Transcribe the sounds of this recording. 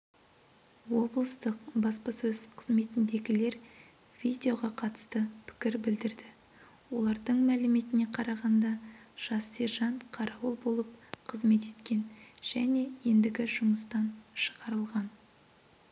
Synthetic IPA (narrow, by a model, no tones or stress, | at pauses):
wo̞blˠəst̪əq̚bɑspɑsɵzqʰəzme̞t̪ɪnd̪e̞ɡʲɪle̞ɾ | v̥ʲid̪ʲeo̞ʁɑqʰɑt̪ə̥st̪əpʰɪ̥kʲɪɾbɪld̪ɪɾd̪ɪ | wo̞lˠɑɾd̪əɴmælɪme̞t̪ɪne̞qʰɑɾɑʁɑnd̪ɑʒ̥ɑseɾʒɑɴqʰɑɾɑwəlˠbo̞lˠəp̚qʰəzme̞t̪e̞t̪kʲe̞nʒ̥æne̞je̞nd̪ɪɡʲɪʒʊməst̪ɑnʃəʁɑɾəlˠʁɑn